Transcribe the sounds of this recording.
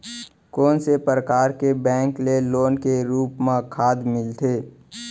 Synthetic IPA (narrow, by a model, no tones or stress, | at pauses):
kɔːnsepɾəkaːɾkebɛ̃ːŋkleloːnkeɾuːpmãkʰaːd̪mɪlt̪ʰeː